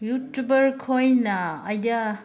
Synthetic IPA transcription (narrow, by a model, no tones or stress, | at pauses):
jutubɐɾkʰojnːɐːjdɐ